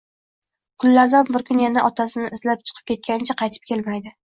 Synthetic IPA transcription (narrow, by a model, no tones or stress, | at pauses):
kʰʊlːaɾd̪anbɪɾkʰʲʊnjanaʔɒt̪ʰasɪnɪʔɪzlap̚t͡ʃʰɨ̥qʰɨ̥p̚kʲʰe̞t̪̚kʲanɪt͡ʃʰaqʰɑjt̪ʰɪp̚kʲʰe̞lmajd̪ɪ